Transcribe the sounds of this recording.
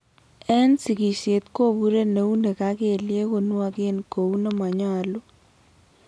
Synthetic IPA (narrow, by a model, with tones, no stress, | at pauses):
ɛ˦nsi˨ki˨se˨t̪ko˦˨bu˦ɾe˦ne˨u˦nde˨ka˦ke˨lje˦ko˨nu˦a˦ke˦nko˨u˦ne˦mwa˨ɲa˦˨lu˦